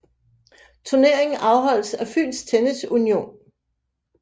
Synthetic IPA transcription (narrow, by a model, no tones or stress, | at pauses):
t͡sʰuɐne̝ɐ̰e̝ŋ̩ʔɑ̈ʊɦɒ̽l̰sæfy̰ːlst͡sʰenəsunio̝̰ːn